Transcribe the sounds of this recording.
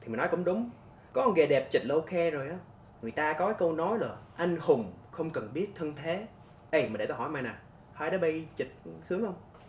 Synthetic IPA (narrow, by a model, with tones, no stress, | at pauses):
t̪ʰi˨˩m˨˩nɔ˨˦jkʊ̰˧˥ŋ͡mɗʊ˨˦ŋ͡m | kɔ˨˦ʔɔ˧nɣe˨˩ɗɛ˨˩p̚t͡ɕi˨˩t̟̚lo˧xɛ˧zo˨˩jʔaː˨˦ | ŋɨ˨˩əjt̪aː˧kɔ˨˦kaː˨˦kə˧wnɔ˨˦jlo˨˩jʔa˧jŋ̟hʊ˨˩ŋ͡mxə˧wŋ͡mkə˨˩nɓi˦˥ət̚t̪ʰə˧nt̪ʰe˨˦ | ʔə˧˩jma˨˩e˧˩aː˧˩hɔ˧˩˦jmaː˧jnaː˨˩ | haː˧jɗɔː˨˦ɓə˧jt͡ɕi˨˩t̚sɨ˨˦əŋxə˧wŋ͡m